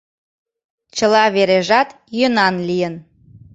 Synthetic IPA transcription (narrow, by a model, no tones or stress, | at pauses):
t͡ɕəlɑβeɾeʒɑt̪ | jønɑnlijən